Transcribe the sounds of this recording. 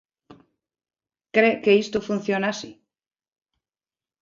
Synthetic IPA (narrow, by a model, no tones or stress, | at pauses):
kɾekeist̪ofun̟θjonasi